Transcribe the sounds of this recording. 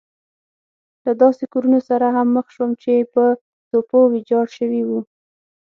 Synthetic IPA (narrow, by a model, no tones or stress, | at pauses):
lad̪ɑsekuɾunosaɾaɦamːəxʃwəmt͡ʃepə | t̪opowɪd͡ʒɑɽʃəwiwu